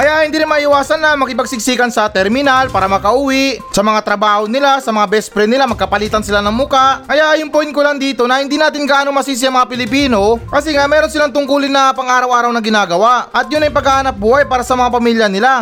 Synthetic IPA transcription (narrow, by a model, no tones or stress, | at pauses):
kɐjaʔhɪnd̪iːɾɪnmɐʔɪwaːsɐnːɐmɐkɪpɐɡ̚sɪɡ̚siːkɐnsɐt̪ɛɾmɪnalpaːɾɐmɐkɐʔuːwɪʔsɐmɐŋat̪ɾɐbaːhonɪlasɐmɐŋabɛspɾɛnɪlamɐɡ̚kɐpɐliːt̪ɐnsɪlanɐŋmʊkaʔkɐjaʔɐjʊŋpoɪnkolaŋd̪iːt̪o̞nɐhɪnd̪iːnaːt̪ɪnɡɐʔaːnomɐsiːs̬iaŋmɐŋapɪlɪpiːno̞kɐsɛŋaʔmɛːɾonsɪlaŋt̪ʊŋkuːlɪnːɐpɐŋʔaːɾɐwʔaːɾɐwnɐɡɪnaːɡɐwaʔʔɐt̪̚jʊnːɐjpɐɡahanɐp̚buːhɐjpaːɾɐsɐmɐŋapɐmiːljɐnɪla